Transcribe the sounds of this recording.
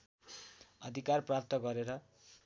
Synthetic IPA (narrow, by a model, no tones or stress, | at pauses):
ʌd̪ʱikarprap̚t̪ʌɡʌɾeɾʌ